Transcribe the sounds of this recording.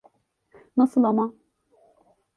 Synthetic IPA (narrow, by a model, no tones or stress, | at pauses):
nasɯlˠama